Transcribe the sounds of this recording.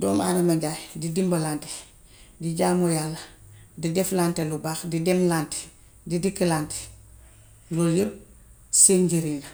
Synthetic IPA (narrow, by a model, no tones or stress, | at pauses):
dɔːma̰nɐmaɟaːjdidimbɐlaːnte̥ | diɟaːmojaːlːɐdidɛflaːntelubaːxdidemlante̥ | didikilaːnte̥ | loljəb̚ | seːnɟeɾiɡ